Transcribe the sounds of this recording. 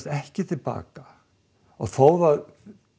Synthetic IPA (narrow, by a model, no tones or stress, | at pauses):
t̪ɛhcɪt̪ʰɪlpa̰ːka | ɔɣθoːwvað